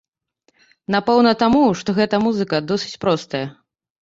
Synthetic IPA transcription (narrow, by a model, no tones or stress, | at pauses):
napɛwnɐt̪amuʂt̪ɔɣɛt̪ɐmuzɨkɐd̪ɔsɨ̥t͡sʲpɾɔst̪ɐjɐ